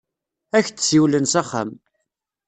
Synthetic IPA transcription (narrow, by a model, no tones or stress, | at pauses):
æçt̪siwlənsæχːa̰m